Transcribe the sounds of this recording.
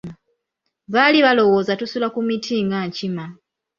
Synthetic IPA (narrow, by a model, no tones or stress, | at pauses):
βaliβalo̞wo̞ːzatusulakumitʰiːŋɡaɲcima